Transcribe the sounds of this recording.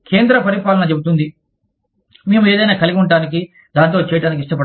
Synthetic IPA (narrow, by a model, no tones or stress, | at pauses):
kʰe̞ːnd̪ɾɐpɐɾipaːlɐnɐt͡ʃebut̪und̪i | meːmue̞ːd̪ɐjnaːkɐliɡiuɳʈaːnik̬i | d̪aːnt̪̬o̞ːt͡ʃɛːjɐʈaːnik̬iʂʈɐpɐ